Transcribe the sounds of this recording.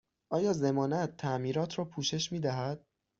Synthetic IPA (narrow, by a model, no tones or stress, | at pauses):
ʔɒːjɒːze̞mɒːnæt̪ʰːæʔmiːɾɒːt̪ʰɾɒːpʰuːʃe̞ʃmiːd̪æɦæd̪̥̚